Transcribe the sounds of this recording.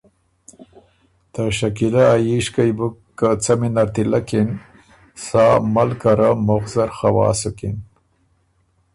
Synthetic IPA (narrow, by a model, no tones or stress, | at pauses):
t̪əʃakilaajiʃkajbukːat͡saminaɾt̪ilakin | sɑːmalkaɾamʊɣzaɾxawɑ̰ːsukin